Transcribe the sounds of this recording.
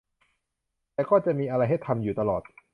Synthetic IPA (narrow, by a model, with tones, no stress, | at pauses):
t̪ɛː˨˩kɔː˥˩t͡ɕa˨˩miː˧ʔa˧ɾa˧jɦa˥˩jt̪ʰa˧mjuː˨˩t̪a˧lɔː˨˩t̪̚